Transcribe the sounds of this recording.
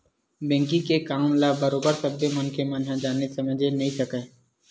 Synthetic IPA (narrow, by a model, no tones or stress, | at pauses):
bɛ̃ːŋkĩkekaːmlabɐɾoːbəɾsɐbjəmɐnkemɐnɦãd͡ʒaːnesɐməd͡ʒenɐɦĩsɐkə